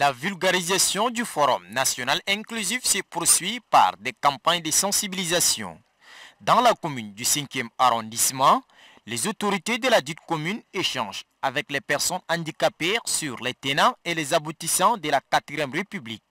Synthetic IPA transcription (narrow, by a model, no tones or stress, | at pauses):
lavylɡaʁizasjɔ̃d̪yfɔʁɔ̰mnasjɔnalɛ̃klyzifsəpuʁsɥipa̰ʁd̪ɛkɑ̃paɲd̪əsɑ̃sibilizasjɔ̰̃ | d̪ɑ̃lakɔmynd̪ysɛ̃kjɛmaʁɔ̃d̪ismɑ̃ | lɛzot̪ɔʁit̪ed̪əlad̪yt̪kɔmyneʃɑ̃ʒ | avɛklɛpɛʁsɔnɑ̃d̪ikapɛʁsyʁlɛt̪enɛ̃elɛzabut̪isɑ̃d̪əlakat̪χijɛmʁepyblik̚